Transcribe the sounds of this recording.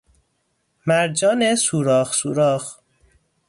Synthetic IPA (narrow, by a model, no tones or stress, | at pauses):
mæɾd͡ʒɒːnesuːɾɒːxsuːɾɒːx